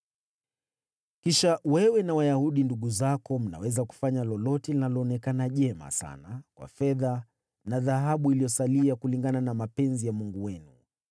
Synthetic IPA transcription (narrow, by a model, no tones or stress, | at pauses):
kiʃawɛwɛnawajahuɗinduɠuzakɔm̩na̰wɛzaku̥faɲalɔlɔtɛlinalɔːnɛkanaʄɛma̰sa̰nakwa̰fɛða | naðaɦaɓuilijɔsaliakuliŋɡananamapɛnzijamuŋɡuwɛnu